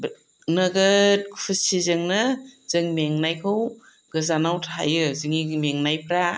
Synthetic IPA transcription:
b | naɡɯt̚kʰu̥pʰɯsizɯŋnɯz̥ɯŋmeŋnajkʰɯw | ɡɯzanawtʰa̰jɯzɯŋimeŋnajpɾa

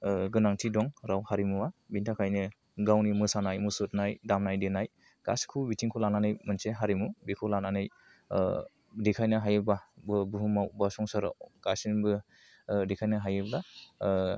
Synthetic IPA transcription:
ɡɯnaŋtʰidɔŋɾawhaɾimuabintʰakʰajnɯ | ɡawnimɯsanajmusɯtnajdamnajdenaj | ɡ̥a̰skʰubitʰiŋkʰɔlananɯjmɯnseɦaɾimubikʰɔlananɯj | dekʰajnɯɦajɯbabɯbuɦumawbasɔŋsɯɾa̰wɡ̥asinbɯ | dekʰajnɯɦajɯbla

